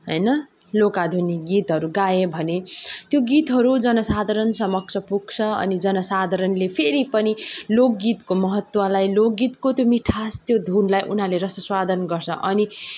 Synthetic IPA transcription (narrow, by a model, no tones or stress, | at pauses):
ɦʌjnʌ | lokad̪ʱuniɡit̪ɦʌɾuɡaebʱʌnet̪joɡit̪ɦʌɾud͡zʌnʌsad̪ʱaɾʌnsʌmʌk̚t͡sʰʌpuɡ̚t͡sʰʌʌ̰nid͡zʌnʌsad̪ʱʌɾʌnlepʰeɾipʌnilokɡit̪komʌɦʌt̪wʌlajlok̚ɡit̪kot̪jomiʈʰast̪jod̪ʱunlajʔun̤ɦaleɾʌsʌswad̪ʱʌnɡʌrt͡sʰʌ̰̃ʔʌni